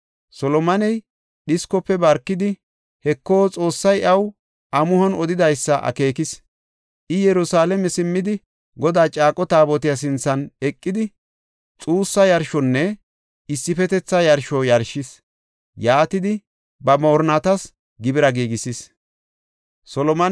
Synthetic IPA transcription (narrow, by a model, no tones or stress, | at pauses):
sɔlɔmɐnɛj | ɗɪskɔpːɛbɐɾkːɪd̪ɪ | hɛkːo̞ːt͡sʼo̞ːsːɐjʔɐw | ʔɐmʊhɔnɔd̪ɪd̪ɐjsːɐʔɐ̰ke̞ːkɪs | ʔɪjɛɾʊsaːlɛmɛsɪmːɪd̪ɪ | ɡɔd̪aːt͡ʃʼaːkʼɔt̪aːbɔt̪ɪjɐs̬ɪnt͡sːɐnɛkʼːɪd̪ɪ | t͡sʼuːsːɐjɐɾʃɔnːɛ | ɪsːɪfɛt̪ɛt͡sːɐjɐɾʃɔjɐɾʃɪs | jaːt̪ɪd̪ɪ | bɐmoːɾnɐt̪ɐs | ɡɪbɪɾɐɡiːɡɪsɪs | sɔlɔmɐ